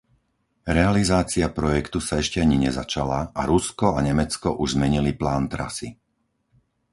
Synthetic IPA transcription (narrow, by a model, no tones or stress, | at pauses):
ɾɛalizaːt͡siapɾɔjɛkt̪usaɛʃcɛaɲiɲɛzat͡ʃalaʔaɾuskɔaɲɛmɛt͡skɔʔuʒzmɛɲiliplaːnt̪ɾa̰si